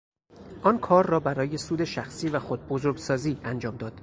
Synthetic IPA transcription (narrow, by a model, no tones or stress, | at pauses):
ʔɒːnkʰɒːɾːɒːbæɾɒːje̞suːd̪e̞ʃæxsiːvæxod̪̚bozoɾɡsɒːziːænd͡ʒɒːmd̪ɒːd̪̥